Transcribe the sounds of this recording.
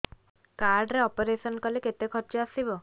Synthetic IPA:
kaɾɖɾeɔpɔɾesɔnkɔleket̪ekʰɔɾt͡ʃɔasibɔ

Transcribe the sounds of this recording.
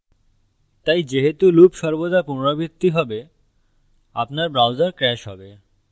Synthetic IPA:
t̪ajd͡ʑeɦet̪ulupʃɔɾbod̪apunoɽabʱit̪ːiɦɔbe | a̰pnaɾbɾawd͡ʑaɾkɾɛʃɦɔ̰be

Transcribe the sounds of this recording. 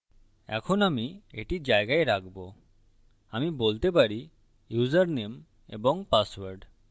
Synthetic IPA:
ɛ̰kʰonamiḛʈid͡ʑaeɡaeɾaɡbo | amibolt̪epaɾi | juzaɾnem | ḛboŋpaswaɾɖ

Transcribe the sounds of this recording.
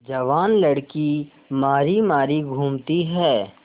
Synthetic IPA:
d͡ʒɐʋaːnlɐɽki | maːɾimaːɾiɡʱuːmt̪iɦɛː

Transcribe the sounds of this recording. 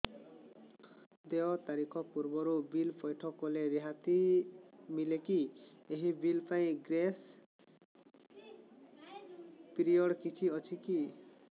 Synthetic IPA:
d̪eɔt̪aɾikʰɔpuɾbɔɾubilpɔjʈʰɔkɔleɾeɦat̪i | milekieɦibilpaĩɡɾes | piɾiɔɽkit͡ʃʰiɔt͡ʃʰiki

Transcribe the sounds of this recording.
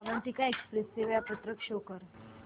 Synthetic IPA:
ʋəɳt̪ikaekspɾest̪eʋajapət̪ɾəkʂokəɾ

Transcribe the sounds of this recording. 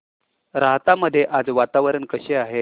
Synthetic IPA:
ɾaɦt̪aməd̪ʱːjeʔad͡zʋat̪aʋəɾəɳkəɕeaɦe

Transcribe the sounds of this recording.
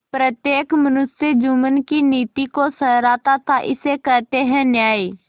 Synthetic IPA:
pɾət̪jeːkmənʊsjəd͡ʒuːmənkiniːt̪ikosəɾɾaːt̪at̪ʰaʔɪ̰sekəɾt̪eɦɛ̃njaːi

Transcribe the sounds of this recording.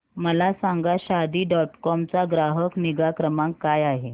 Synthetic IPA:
məlasaŋɡaɕad̪iːɖɔʈkɔmt͡saɡɾaɦəkniɡakɾəmaŋkkːajaɦe

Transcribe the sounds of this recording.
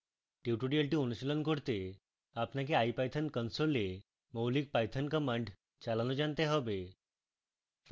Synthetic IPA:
ʈiʈuɖiəlʈiːunuɕilənkəɽt̪e | apnak̬eajpajt̪ʰənkənsole | məwlik̚pajt̪ʰənkəmãɳɖ | t͡ɕalanɔd͡ʑãnt̪eɦəʋe

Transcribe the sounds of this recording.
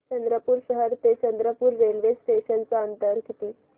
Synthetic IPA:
t͡ɕənd̪ɾəpuːɾɕəɦəɾt̪et͡ɕənd̪ɾəpuːɾːelʋesʈeɕənt͡saənt̪əɾɡʱit̪iː

